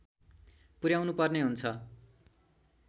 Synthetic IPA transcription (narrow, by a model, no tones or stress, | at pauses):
puɾjawnupʌrneɦunt͡sʰʌ